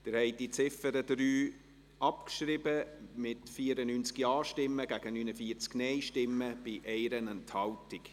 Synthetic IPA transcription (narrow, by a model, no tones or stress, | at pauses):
d̥ɪɾhɛɪd̥it͡sɪfəɾədɾyː | ɑpkʃɾɪbəmɪtfiːəɾənynt͡skiɑːʃtɪmːəɡ̥æɡ̥ənyːnəfiːəɾt͡sknɛɪʃtɪmːəb̥ɪʔɛɪɾənɛnthɑwtɪk